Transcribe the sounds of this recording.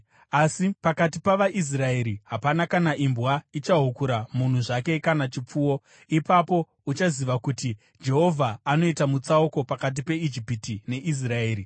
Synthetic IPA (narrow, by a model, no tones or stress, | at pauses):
asipakat̬ipaʋaʔis̬rae̞ɾiɦapanakanaʔimbwait͡ʃaɦukuɾamun̤uʐake̞kanat͡ʃip͡fuːwo | ipapo̞ | ut͡ʃaziʋakuti | d͡ʒe̞ɦo̞vʱaːno̞itamut͡sauko̞pakat̬ipe̞id͡ʒipitine̞ʔis̬rae̞ːɾi